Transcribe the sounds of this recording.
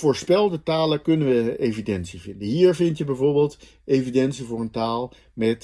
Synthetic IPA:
v̥ʊːɹspɛlˠdətaːləkɵnənʋəejvidɛnsivɪndəɦiːɹvɪntjəbɛjvʊːɹbeːlˠt | ejvidɛnsivʊːɹəntaːlˠ | mɛt

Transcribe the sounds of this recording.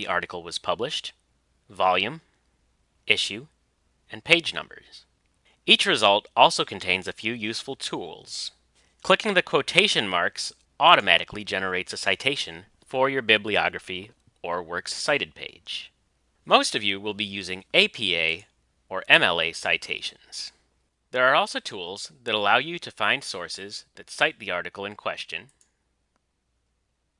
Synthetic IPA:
ðiʔɑ̰ɹɾɨkl̩ˠwʌz̥pʰʌblɨʃt | vɑlˠjʉ̃m | ʔɪʃʉ | ɨ̃npʰeɪd͡ʒnʌ̰̃mbə̰˞z̥ | it͡ʃɹɨzʌlˠtɔlˠsoʊkʰn̩tʰẽɪ̃nzɨfjʉjʉsfl̩ˠtʰulˠz̥ | kʰl̥ɪkɪ̃ŋðɨkʰw̥oʊtʰeɪʃɨ̃nmɑ̰ɹks | ʔɔɾɨmæ̰ɾɨklid͡ʒɛnə˞eɪtsɨsaɪtʰeɪʃɨ̃n | fə˞jə˞bɪbliɑ̰ɡɹɨfi | ə˞wɜ˞ksːaɪɾɨd̚pʰḛɪd̥ʒ̥ | moʊstʌvjɨwɪlˠbijʉzɪ̃ŋeɪpʰieɪ | ə˞ʔɛ̃mɛ̰lˠeɪsaɪtʰeɪʃɨ̃nz̥ | ðə˞ːɔlˠsoʊtʰulˠzðɨɾəlaʊjɨɾɨfãɪ̃nd̥sɔɹsɪzðɨtsaɪt̪̚ðiɑɹɾɨkl̩ˠɨ̃nkʰw̥ɛ̰st͡ʃɨ̰̃n

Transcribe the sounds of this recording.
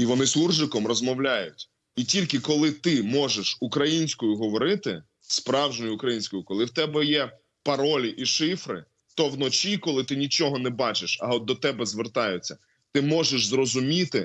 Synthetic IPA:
iʋɔnɪsurʒɪkɔmrɔzmɔwlʲajʊtʲ | itʲilʲkɪkɔlˠɪt̪ɪmɔʒeʃukɾɐjinʲsʲkɔjʊɦɔʋɔɾɪt̪ɪ̰ | spɾɑwʒnɔjʊʊkɾɐjinʲsʲkɔjʊkɔlˠɪwt̪ɛbɛjɛ | pɐɾɔlʲiʔiʃɪfɾɪ̰ | t̪ɔwnɔt͡ʃʲikɔlˠɪt̪ɪnʲit͡ʃɔɦɔnɛbɑt͡ʃɪʃɐɔd̪̚d̪ɔt̪ɛbɛzʋert̪ɑjʊt͡sʲːɐ | t̪ɪmɔʒeʃzrɔzʊmʲit̪ɪ

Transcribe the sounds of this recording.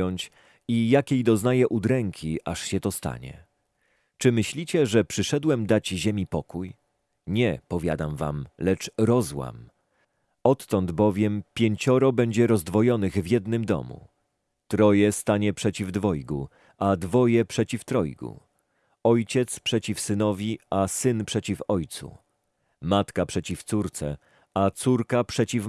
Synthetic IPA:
ɔɲt͡ɕ | ijakʲejd̪ɔznajɛʔud̪ɾɛŋkʲʰiʔaʂɕɛt̪ɔst̪a̰ɲɛ̰ | t͡ʂɘmɘɕlʲit͡ɕɛʐɛpʂɘʂɛd̪wɛmd̪ad͡ʑʑemʲipɔkuj | ɲɛpɔvʲja̰d̪amva̰mlɛt͡ʂɾɔzwa̰m | ɔt̪ːɔnd̪bɔvʲjɛmpʲjeɲt͡ɕɔɾɔbɛɲd͡ʑɛɾɔzd̪vɔjɔnɘɣvʲjɛd̪nɘmd̪ɔ̰mṵ | t̪ɾɔjɛst̪aɲɛpʂɛt͡ɕivd̪vɔjɡu | ʔad̪vɔjɛpʂɛt͡ɕift̪ɾɔjɡṵ | ɔjt͡ɕɛt̪spʂɛt͡ɕifsɘnɔvʲiasɘnpʂɛt͡ɕifɔjt̪sṵ | mat̪kapʂɛt͡ɕift̪suɾt̪sɛ̰ | at̪suɾkapʂɛt͡ɕif

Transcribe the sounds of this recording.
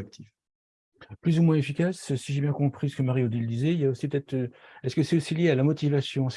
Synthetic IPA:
ak̚t̪ʰif | plyzumwɛ̃efikʲassiʒɛbjɛ̃kɔ̃pχisə̥kəmaʁiod̪iləd̪izɛiljaosipøət̪ɛt̪χøɛskəsɛosiljealamɔt̪ivasjɔ̃s

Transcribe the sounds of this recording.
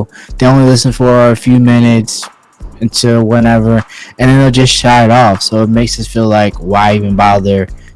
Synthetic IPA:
ðeɪõʊ̃nlilɪsn̩fə˞ɨfjʉmɪ̃nɨts | ɨ̃ntʰɨlˠwʌɾɛvə˞ɨ̃nðɨ̃neɪd͡ʒʌstʃaɪɾɔfsoʊət̚meɪksʌsfilaɪkwaɪivɨ̃nbaɪðə˞

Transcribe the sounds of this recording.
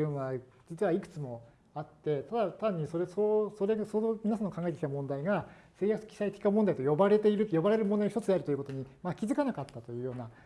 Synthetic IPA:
joːna | d͡ʑit͡sɨβaikɯ̥t͡sɨmo̞ | at̪ːe̞t̪ad̪at̪ãɲ̟ːiso̞ɾesosoɾe̞asomʲinasãnokãŋɡaet̪ekʲit̪amõ̞nd̪aiɡa | se̞ːjakɯ̥kʲi̥sait̪e̥kʲinamõ̞nd̪ait̪ojo̞baɾe̞t̪e̞iɾɯ̟jo̞baɾe̞ɾɯmond̪ainoçtot͡sɨd̪eaɾɯ̟t̪oiɯ̟kot̪o̞ɲ̟imakʲizɨkanakat̪ːat̪o̞jɯ̟ːjo̞ːna

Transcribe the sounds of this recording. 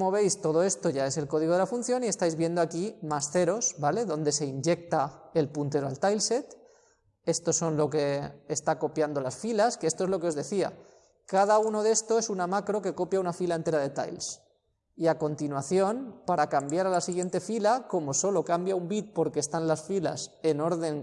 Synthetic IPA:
moβe̞jst̪o̞ð̞o̞e̞st̪o̞ʝae̞se̞lko̞ðiɣo̞ðelafunθjo̞niest̪ajzβje̞nd̪oakimasθe̞ɾo̞zbale̞ðo̞nd̪e̞se̞iɲd͡ʒe̞k̚t̪ae̞lpunt̪e̞ɾoa̰lt̪ajlse̞t̪ | e̞st̪o̞so̞nlo̞k̬e̞ːst̪ako̞pjand̪o̞lasfilaskeest̪oe̞zlo̞ke̞o̞zðe̞θia̰ | kað̞auno̞ðe̞st̪oesunamakɾo̞ke̞ko̞pjaunafilaent̪e̞ɾaðe̞t̪a̰jls | iako̞nt̪inwaθjo̞npaɾakambjaɾalasiɣ̞je̞nt̪e̞filako̞mo̞so̞lo̞kambjaumbit̪̚po̞ɾke̞ːst̪anlasfila̰se̞no̞ɾðe̞ŋ

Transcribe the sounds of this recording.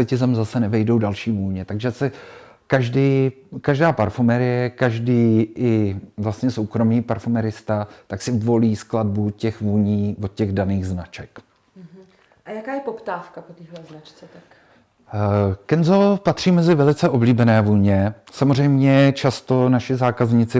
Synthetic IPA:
ɛcɪzɛmzasɛnɛvɛjdo̞wdalʃiːvuːɲɛt̪aɡʒɛsɛ | kaʒdiːkaʒdaːpaɾfumɛɾɪjɛkaʒdiːʔɪvlast̪ɲɛso̞wkɾo̞miːpaɾfumɛɾɪst̪at̪aksɪvo̞liːskladbucɛxvuːɲiːvot̪cɛɣdaniːɣznat͡ʃɛk | ʔajakaːjɛpopt̪aːfkapot̪iːɦlɛznat͡ʃt͡sɛt̪ak | kɛnzopat̪r̝̥iːmɛzɪvɛlɪt͡sɛʔo̞bliːbɛnɛːvuːɲɛsamor̝ɛjmɲɛt͡ʃast̪o̞naʃɪzaːkazɲɪt͡sɪ

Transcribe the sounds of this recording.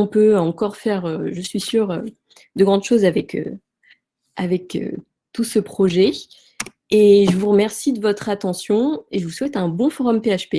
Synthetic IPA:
ɔ̃pøɑ̃kɔʁfɛʁøʒəsɥisyːʁø | d̪əɡʁɑ̃d̪ʃozavɛkø̰ | avɛkø̰ | t̪usəpχɔʒɛ | eʒəvuʁəmɛʁsid̪əvɔt̪χat̪ɑ̃sjɔ̃eʒəvuswɛt̪ɛ̃bɔ̃fɔʁɔmpeaʃpe

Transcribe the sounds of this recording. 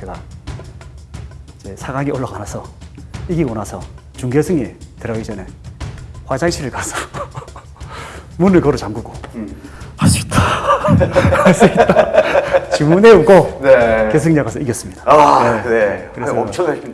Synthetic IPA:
t͡ɕe̞ɡa | id͡ʑe̞sʰaɡaŋiʔoɭːaɡanasʰʌiɡiɡonasʰʌ | t͡ɕuŋɡesʰɯŋetɯɾʌid͡ʑʌne̞ | hwad͡ʑaŋɕʰiɾɯɭkasʰʌ̥ | munɯɭkʌɾut͡ɕaŋɡuɡo | as͈uita | asʰɯit͈ʌ | t͡ɕimuneuk͈onekes̬ʰɯŋɲaɡasʰʌiɡjʌs͈ɯmɲid̥aanenekɯɾesʌot͡ɕʰʌna

